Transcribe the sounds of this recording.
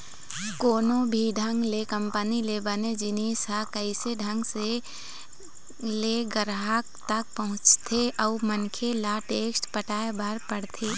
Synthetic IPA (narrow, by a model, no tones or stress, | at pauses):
koːnõbʱiɖʱə̃ŋɡlekəmpənilebəned͡ʒɪneːsakəɪseɖʱə̃ŋɡse | leɡəɾɦakt̪ək̚pəɦʊ̃t͡ʃt̪ʰeʔɔːmənkʰelaʈeːksʈpəʈaːebəɾpəɽt̪ʰeː